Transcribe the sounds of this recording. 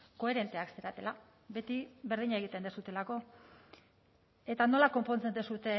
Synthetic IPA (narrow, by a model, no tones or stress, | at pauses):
ko̞e̞ɾe̞nt̪e̞akseɾat̪e̞la | be̞t̪iβe̞ɾð̞iɲae̞ɣ̞it̪e̞nd̪esut̪e̞lako̞ | e̞t̪ano̞lako̞mpo̞nt͡se̞nd̪esut̪e̞